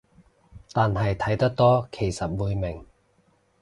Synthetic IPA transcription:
t̪aː˨nɦɐ˨jt̪ʰɐ˨˥jt̪ɐ˥k̚t̪ɔː˥kʰe˨˩jsɐ˨t̚wuː˨˧jmɪ˨˩ŋ

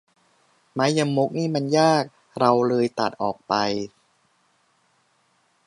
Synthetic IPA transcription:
ma˦˥ja˧ŋmːo˦˥k̚niː˥˩ma˧njaː˥˩k̚ | ɾa˧wlɤː˧jt̪a̰˨˩t̪̚ʔɔː˨˩k̚pa˧j

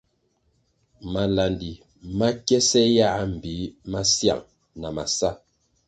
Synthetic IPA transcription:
ma˨la˨ndi˨ | ma˦kjɛ˦sɛ˦ja˦˨˦m̩˨bi˨˦ma˦sja̰˨ŋ | na˨ma˨sa˦

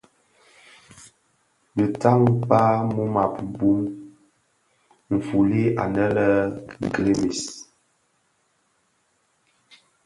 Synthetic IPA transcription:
bə˨ta˦ŋpa˦mu˦ma˨pbu˦m | m̩˨fu˨li˦ʔa̰˨nə˦lə˦ɡɾe˦mi˨s

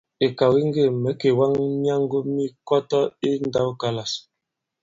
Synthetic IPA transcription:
e˨ka˨wi˦ŋ˦ɡe˦˨mɛ˨˦ke˨wa˦ŋmja˦ŋ˦ɡo˦mi˦kɔ˦tɔ˦i˦n˦da˦wka˨la˨s

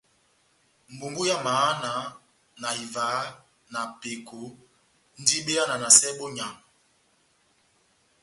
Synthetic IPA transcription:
m̩˨bu˨ŋɡu˦ja˦ma˨˦na˨˦ | na˨i˨vaː˨˦ | na˨pe˨ko˨˦ | n̩˦di˦ɓe˦a˦na˨na˨sɛ˦ɓo˦ɲa˨ŋ

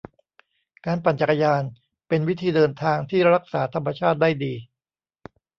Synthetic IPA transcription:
kaː˧npa˨˩nt͡ɕa˨˩kːa˧jaː˧n | pe˧nwi˦˥t̪ʰiː˧dɤː˧nt̪ʰaː˧ŋt̪ʰiː˥˩ɾa˦˥k̚saː˩˦t̪ʰa˧mːa˧t͡ɕʰaː˥˩t̪̚daː˥˩jdiː˧

